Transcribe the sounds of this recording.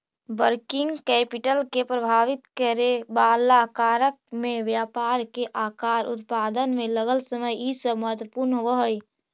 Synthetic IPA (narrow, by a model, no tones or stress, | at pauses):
bəɾkɪ̃ŋɡkɛːpɪʈəlkepɾəbʱaːʋɪt̪kəɾebaːlakaːɾək̚mẽʋjaːpaːɾkeʔaːkaːɾʊ̰t̪paːd̪ənmẽləɡəlsəməjisəməɦət̪wəpuɾnɦʋəɦəi